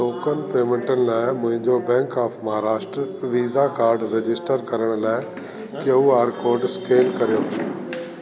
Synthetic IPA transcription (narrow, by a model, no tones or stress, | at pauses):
loːkənpeːmẽɳʈənɪ̆laːɪmʊ̃ɦɪ̃ɲd͡ʑobɛ̃ːŋkaːpʰmɐɦaːɾaːʃʈɾəʋiːzakaːɾɖɾed͡ʑɪsʈəɾkɐɾəɽ̃laːɪ | kjeuaːɾkoːɾɖskʰeːnkɐɾijoː